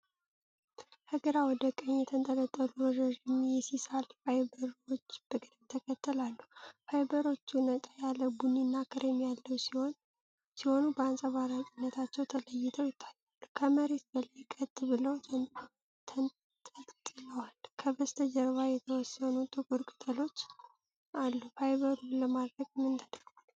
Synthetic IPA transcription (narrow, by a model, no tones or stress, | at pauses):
həɡəɾawɔd̪əkʼəɲːjɛt̪ʰənt̪ʼələt̪ʼːəluɾəd͡ʒəʒɪmjɛsisalfajbəɾot͡ʃːb̥ɨkʼd̪ɨt̪ʰəkʰət̪ʰːəlalːuhajbəɾo̞t͡ʃːunət̪ʼajaləbunːinːakʰɨɾemjalːəwsiho̞n | siho̞nubəansʼəβaɾat͡ʃʼinːət̪ʰat͡ʃːɛwt̪ʰələjːɪt̪ʰəwjɪt̪ʰːḁjalːukʰəməɾe̞t̪̚bələjkʼət̪ʼbɨləwʰ | t̪ʰ | t̪ʰʼət̪ʼt̪ʼɨləwalkʰəbəst̪ʰəd͡ʒəɾβajɛt̪ʰəwɔsːənut̪ʼɨkʼuɾkʼɨ̥t̪ʼəlo̞t͡ʃː | ʔalːufajβəɾuləmad̪ɾəɡmɨnt̪ʰad̪ɾmal